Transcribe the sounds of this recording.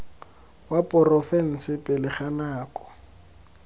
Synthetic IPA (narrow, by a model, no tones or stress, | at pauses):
wapʼɔrɔfɛn̩sɪpʼɪlɪχanaːkʼɔ̥